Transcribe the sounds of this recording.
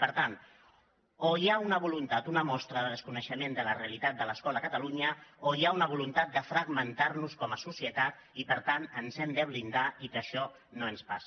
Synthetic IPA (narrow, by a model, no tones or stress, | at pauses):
pəɾt̪an | oiaunəβulunt̪at̪unəmɔst̪ɾəðəðəskunəʃəmend̪ələreəlit̪at̪̚d̪ələskɔləkət̪əluɲəojaunəβulunt̪at̪̚d̪əfɾəɡmənt̪aɾnuskɔməsusiət̪at̪ | ipəɾt̪anənzɛmd̪əβlind̪aikəʃɔ | noənspas